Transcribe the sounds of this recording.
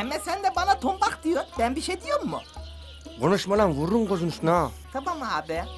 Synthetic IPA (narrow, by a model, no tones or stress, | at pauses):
ɛmɛsɛnd̪ɛbanat̪ʰumbakd̪ijoɾbænbiʃejd̪ijoɾmːṵ | ɡonuʃmalˠanvuɾːuŋɡozunusnat̪ʰabamaːbɛ